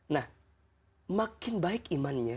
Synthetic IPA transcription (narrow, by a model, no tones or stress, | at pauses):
nah | makɪnbaɪkimanɲa